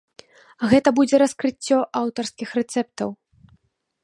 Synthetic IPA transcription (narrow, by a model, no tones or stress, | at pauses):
ɣɛt̪ɐbud͡zʲɛɾɐskɾɨt͡sʲːɔʔawt̪ɐrskʲixrɛt̪sɛp̚t̪ɐw